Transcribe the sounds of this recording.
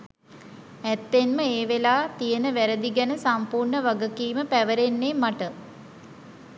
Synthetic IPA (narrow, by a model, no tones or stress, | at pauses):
æt̪ːenməeːʋelaːt̪ijənəʋæɾəd̪iɡænəsampuːrɳəʋaɡəkiːməpæʋəɾenːeːmaʈə